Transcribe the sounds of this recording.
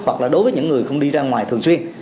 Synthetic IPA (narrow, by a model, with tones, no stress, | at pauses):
hwə˨˩k̚laː˨˩ɗo˨˦jvəː˨˦jɲɨ̰˧˥ŋːɨ˨˩əjxə˧wŋ͡mɗi˧zaː˧ŋwaː˨˩jt̪ʰɨ˨˩əŋswi˧ən